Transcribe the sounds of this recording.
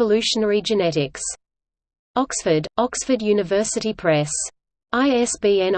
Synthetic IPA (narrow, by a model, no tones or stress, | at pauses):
əlʉˑʃənɛɹid͡ʒɨnɛɾɪks | ɒksfədɒksfədjʉːnɨvɜˑsɨɾipʰɹ̥ɛs | aɪɛsb̥iːɛ̃n